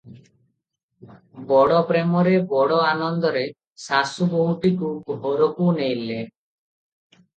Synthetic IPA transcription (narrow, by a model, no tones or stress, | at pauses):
bɔɽɔpɾemɔɾebɔɽɔanɔnd̪ɔɾe | sasuboɦũʈikuɡɦɔɾɔkunejle